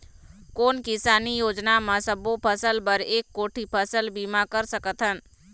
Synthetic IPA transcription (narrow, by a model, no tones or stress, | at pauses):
koːnkisaːnijoːd͡ʒnamãsəbopʰəsəlpəɾeːkːoːʈʰipʰəsəlbiːmakəɾsəkət̪ɦən